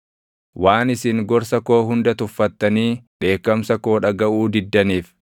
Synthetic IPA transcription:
waːnɪsɪŋɡɔɾsɐko̞ːɦʊnd̪ɐt̪ʊfːɐt̪ːɐniːᶑe̞ːkːɐmsɐko̞ːᶑɐɡɐʔuːd̪ɪd̪ːɐniːf

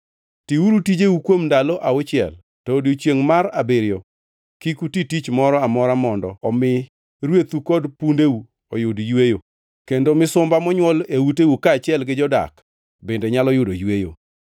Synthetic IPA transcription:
tiuɾutid͡ʒeukwomndalɔʔaot͡ʃɪɛ̰l | tɔodjot͡ʃjeŋmaɾabeɾjɔ | kikutitit͡ʃmɔɾɔamɔɾamɔndɔɔmɪ | ɾwet̪ukɔdpundeu | ɔjʊdjwejo | kendomɪsʊmbamɔɲwɔlewutewukaːt͡ʃɪɛlɡɪd͡ʒɔda̰k | bendeɲalɔjʊdojwejo̰

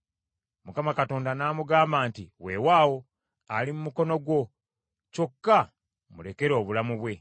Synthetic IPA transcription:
mukamakato̞ːndanaːmuɡaːmbaːntiwe̞waːwo̞ | alimumuko̞no̞ɡwo̞ | co̞kːa | mule̞ke̞ɾo̞ːβulamuβwe̞

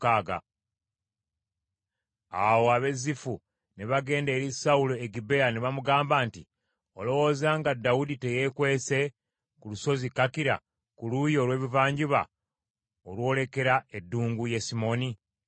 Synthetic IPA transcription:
kaːɡa̰ | awo̞aβe̞zifu | ne̞βaɡe̞ːnde̞ːɾisauloeɡibe̞janeβamuɡaːmbaːnti | o̞lo̞wo̞zaːŋɡadːaudite̞je̞kwe̞ːse̞ | kuluso̞zikakiɾa̰ | kulujo̞ːlwe̞ːβivaːɲɟiβa̰ | olwo̞le̞ke̞ɾaedːuːŋɡuje̞simo̞ni

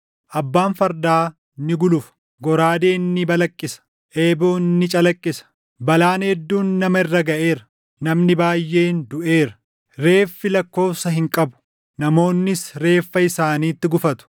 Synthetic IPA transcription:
ʔɐbːaːnfɐɾd̪aː | nːɪɡʊlʊf | ɡɔɾaːd̪e̞ːnːɪbɐlɐkʼːɪsɐ̥ | ʔe̞ːboːnːɪt͡ʃʼɐlɐkʼːɪsɐ̥ | bɐlaːnhɛd̪ːuːnːɐmɐɪrːɐɡɐʔe̞ːɾɐ | nɐmnɪbaːjːe̞ːnd̪ʊʔe̞ːɾɐ̥ | ɾe̞ːfːɪlɐkːo̞ːfsɐɦɪŋkʼɐbʊ̥ | nɐmo̞ːnːɪsɾe̞ːfːɐɪsaːniːt̪ːɪɡʊfɐt̪ʊ̥

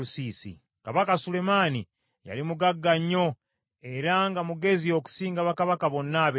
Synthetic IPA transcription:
usiːsḭ | kaβakasule̞maːni | ja̰limuɡaɡːaɲːo̞ | e̞ɾaŋɡamuɡe̞zio̞ku̥siːŋɡaβakaβakaβo̞nːaβe

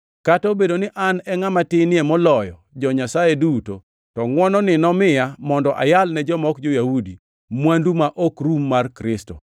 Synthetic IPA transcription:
katobedonɪʔanɛŋamatɪnɪɛmɔlɔjɔd͡ʒɔɲasajeduto̰ | tɔŋwɔnɔnɪnɔmɪjamɔndɔʔa̰jalnɛd͡ʒɔmɔkd͡ʒojahudi | mwandumaʔokɾumːarkɾɪsto̰

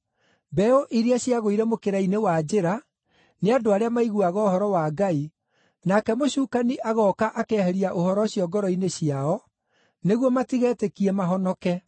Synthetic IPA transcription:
bɛoʔiɾiaɕjaɣoiɾɛmokeɾainewad͡ʑeɾa | neadoaɾeamaiɣuaɣɔohɔɾɔwaːɡai | nakɛmoɕuːkaniʔaɣɔːkaʔakɛhɛɾiaʔohɔɾɔɕjɔɡɔɾɔineɕiaɔ | neɣwɔmatiɣɛːtekiɛmaɦɔnɔkɛ

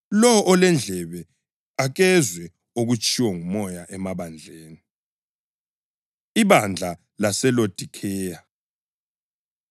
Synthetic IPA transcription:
lɔʔɔlɛnd͡ɮʱɛβɛ | aɣɛzwɛ | oɣut͡ʃʼʰiwɔŋumɔjaʔɛmaβand͡ɮʱeːni | iβand͡ɮʱa | lasɛlod̥ʱikʰɛːja

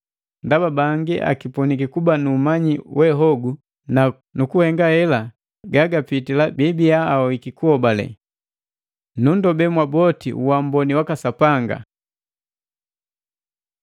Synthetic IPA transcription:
ndababaŋɡiʔa̰kipɔnikikubanuːmaɲiwɛɦɔɡu | na | nukuhɛŋɡahɛla | ɡaɡapitilabibiaːɔikikuhɔbalɛ̰ | nundɔbɛmwabɔtḭʔuwambɔniwakasapaŋɡa̰

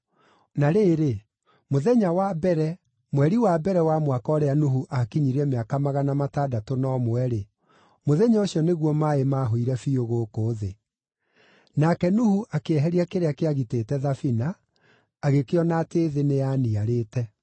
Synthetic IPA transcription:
naɾeːɾe | moðɛɲawabɛɾɛ | mwɛɾiwabɛɾɛwamwakɔɾeanuɦuʔakiɲiɾɛmeakamaɣanamataːdatonɔmwɛɾe | moðɛɲaoɕjɔneɣwɔmaemaːɦoiɾɛfioɣoːkoːðe | nakɛnuhuʔakeɛɦɛɾiakeɾeakeaɣiteːtɛðafinaː | ɣekeɔnaːteːðeneaniaɾeːtɛ

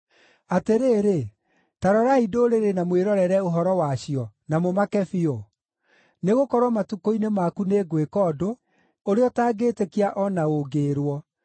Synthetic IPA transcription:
ateɾeːɾe | taɾɔɾaidoɾeɾenamweɾɔɾɛɾɛoɦɔɾɔwaɕijɔnamomakɛfiɔ | neɣokɔɾwɔmatukoinemakuneːɡwekɔdo | oɾeɔtaːɡetekiaʔɔnaoɡeːɾwɔ

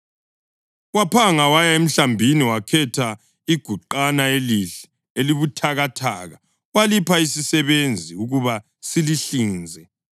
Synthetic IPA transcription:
wapʰaŋawajaem̩ɬambʱiniwakʰɛtʰa | iɡ̥ʱuǃanaeliɬɛ̥ | eliβutʰaɣatʰaːɣa | walipʰaisisɛβend͡zʱiuɣuβa | siliɬiːnd͡zʱɛ

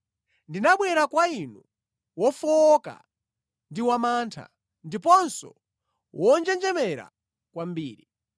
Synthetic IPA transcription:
ndinaɓwɛɾakwainu | wɔfɔɔka̰ | ndiwamantʰa̰ | ndipɔnsɔ̰ | wʔɔnd͡ʒɛnd͡ʒɛmɛɾa̰ | kwambiːɾi

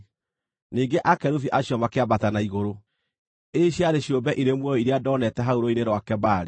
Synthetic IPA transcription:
niːŋɡeʔakɛɾufiʔaɕjɔmakeabatanaiɣoɾo | eɕiaɾeɕjobɛʔiɾemwɔɔiɾeadɔːnɛtɛɦaoɾoineɾwakɛbaɾe

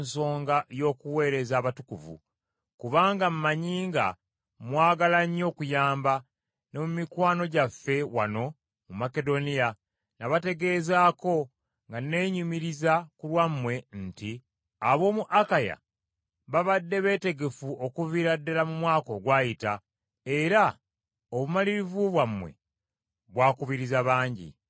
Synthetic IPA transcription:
nso̞ːŋɡajo̞ːkuwe̞ːɾe̞zaːβatukuvṵ | kuβaːŋɡam̩maɲiːŋɡa̰ | mwaːɡalaɲo̞ːkujaːmba | no̞mumikwaːno̞ɟafːe̞wa̰no̞ | mumake̞do̞nija | naβate̞ɡe̞ːzaːko̞ | ŋɡane̞ːɲumiɾizakulwamːwe̞nti | aβo̞ːmuʔakaja̰ | βaβadːe̞βe̞ːte̞ɡe̞fuʔo̞kuviɾadːalamumwaːko̞ɡwaːjita | eɾa | oβumaliɾivuβwamwe̞̰ | βwaːkuβiɾizaβaːɲɟḭ

